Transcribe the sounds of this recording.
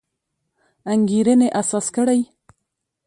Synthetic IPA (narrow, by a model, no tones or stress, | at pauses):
aŋɡiɾəneʔasɑskəɽaj